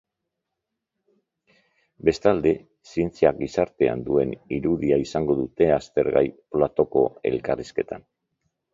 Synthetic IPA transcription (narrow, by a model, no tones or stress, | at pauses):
be̞st̪ald̪e̞ | sie̞nt͡siaɡisaɾt̪e̞a̰nd̪ue̞niɾuðiaisaŋɡo̞ðut̪e̞ast̪e̞ɾɣa̰jplat̪o̞ko̞e̞̰lkariske̞t̪an